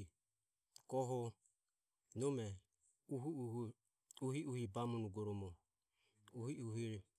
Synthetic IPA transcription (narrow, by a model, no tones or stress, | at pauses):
kɔɦɔ | nɔmɛ | uɦuuhu | uɦiʔuhibamɔnuɡɔɾɔmɔ | uhiʔuɦiɾɛ